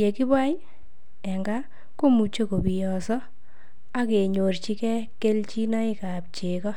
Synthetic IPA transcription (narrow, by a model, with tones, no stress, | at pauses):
je˨ki˦ba˦j | ɛ˨ŋɡa˦ | ko˦mu˨t͡ʃo˦ko˨bi˨jɔ˨sɔ˦ | a˦ke˨ɲo˨ɾt͡ʃi˦kɛ˦ke˦lt͡ʃi˦na˦ɪ˦ka˨p̚t͡ʃe˨kɔ˦